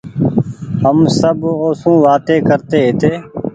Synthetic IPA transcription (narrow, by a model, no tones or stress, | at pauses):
ɦəmsəboːsũːʋaːt̪eːkəɾt̪eːɦɪt̪eː